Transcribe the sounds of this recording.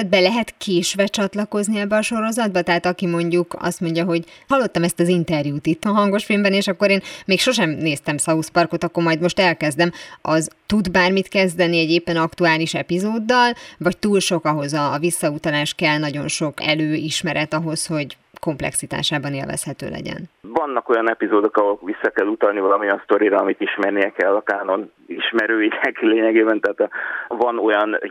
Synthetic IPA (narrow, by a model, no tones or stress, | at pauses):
d̪̚bɛlɛɦɛt̪kʰeːʃʋɛt͡ʃɒt̪lɒko̞zniɛbːɛɒʃo̞ɾo̞zɒd̪̚bɒt̪ɛɦaːt̪ɒkimo̞ɲɟukɒ̰st̪mo̞ɲɟɒɦo̞ɟhɒlːo̞t̪ːɒmɛst̪ɒzint̪ɛrjuːt̪it̪ɒɦɒŋɡo̞ʃfilmbɛneːʃɒkːo̞ɾeːnmeːkʃo̞ʃɛmneːst̪ɛmsɒuspɒrko̞t̪ɒkːo̞rmɒjd̪mo̞ʃt̪ɛlkɛzd̪ɛmʔɒzt̪ud̪baːrmit̪kɛzd̪ɛniɛɟeːpːɛnɒkt̪uaːliʃɛpizoːd̪ːɒlvɒct̪uːlʃo̞kɒɦo̞zɒvisːɒut̪ɒlaːʃkɛlnɒɟo̞nʃo̞kɛløːiʃmɛɾʔɛt̪ɒɦo̞sho̞ɟ | ko̞mplɛ̰ksit̪a̰ːʃaːbɒnḛlvɛ̰shɛt̪ø̰ːlɛ̰ɟɛ̰nvɒnːɒko̞jɒnɛpizoːd̪o̞kɒɦo̞lvisːɒkɛlːut̪ɒlnivɒlɒmiɒnst̪o̞ɾiɾɒɒmit̪iʃmɛrnijɛkɛlːɒkaːno̞n | iʃmɛɾøːiɛkileːɲɛɡeːbɛnt̪ɛɦaːt̪ɒvɒno̞jɒn